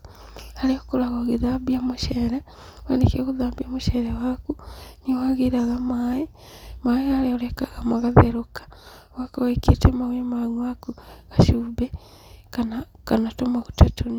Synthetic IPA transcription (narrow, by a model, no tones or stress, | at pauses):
aliokuɾaɣoɣiðabiamuʃeɾa | wḛnekekuðaːbiamuʃeɾewakuniwaɣiɾaɣamaːi | maːiɣaleolekaɣamaɣaðeɾokḁ | wakowikitemawemaɲwakuɣaʃube | kanakanatomaɣutatoni